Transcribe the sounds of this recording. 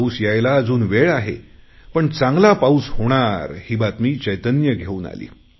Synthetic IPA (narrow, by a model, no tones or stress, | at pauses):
usjajlaəd͡zuːnʋeɭaɦḛpəɳt͡sãŋɡlapaushoɽ̃aɾhiːbat̪miːt͡ɕəjt̪ənjəɡʱeuːna̰lḭː